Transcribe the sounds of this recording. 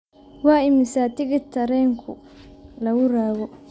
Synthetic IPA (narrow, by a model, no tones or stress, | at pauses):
wɑːɪmɪsaːt̪ʰɪɣɪt̪ʰːɐɾɛːŋkʰʊ | lɐwʊɾaːɣɔ